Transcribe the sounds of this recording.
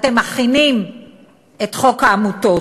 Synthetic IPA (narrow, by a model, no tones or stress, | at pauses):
temaχinim | e̞tχo̞kaːmuto̞